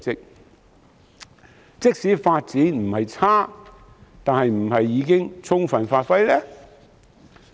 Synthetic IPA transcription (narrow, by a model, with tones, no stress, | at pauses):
t͡sɪ˨˧k̚ | t͡sɪ˥k̚siː˨˥faː˧t̚t͡siː˨˥nm̩˨˩hɐ˨jt͡sʰaː˥ | t̪aː˨nhɐ˨jm̩˨˩ɦɐ˨jːiː˨˧kɪ˥ŋt͡sʰʊ˥ŋfɐ˨˩nfaː˧t̚fɐ˥jlɛː˥